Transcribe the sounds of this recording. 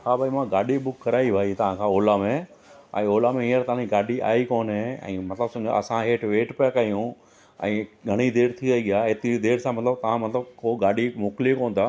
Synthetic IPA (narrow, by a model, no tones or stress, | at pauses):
kʰaːbaːimãɡaːɗibʊkːɐɾaːibʱaːit̪ɐʋ̤ãkʰãoːlamẽ | ɛ̰̃ːoːlamẽiːəɾt̪ɐãĩɡaːɖiʔa̰ːikoːnɦẽɛ̰̃ːmɐt̪ləbsʊ̃ɲd͡ʑ̰ɐsãɦeːʈʋeːʈpɪakɐijũ | ɛ̰̃ːɡʱɐɽ̃id̪eːɾt̪ʰiɾɐɦiɠɪjaːɦet̪iid̪eːɾsãmɐt̪ləb̚t̪ɐʋ̤ãmɐt̪ləbkoːɡaːɖimʊklikoːn̆d̪aː